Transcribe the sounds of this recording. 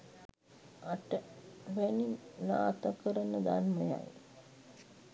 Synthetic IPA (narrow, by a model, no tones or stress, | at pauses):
aʈəʋæninːaːt̪əkəɾənəd̪anməja̰j